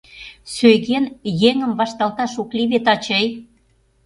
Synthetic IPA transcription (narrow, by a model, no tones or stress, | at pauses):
søjɣenjeŋə̆mβɑʃt̪ɑlt̪ɑʃokliβet̪ɑt͡ɕəj